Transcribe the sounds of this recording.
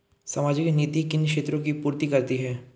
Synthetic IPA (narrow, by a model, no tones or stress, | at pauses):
sɐmaːd͡ʒɪkniːt̪ikɪnʃeːt̪ɾõkipuːɾt̪ikɐɾt̪iɦɛː